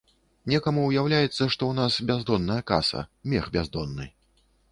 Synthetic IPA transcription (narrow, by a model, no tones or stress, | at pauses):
nʲɛkɐmuːjawlʲajɛt̪sːɐʂt̪ɔwnasbʲazd̪ɔnːɐjɐka̰sɐ̰mʲɛxbʲazd̪ɔnːɨ̰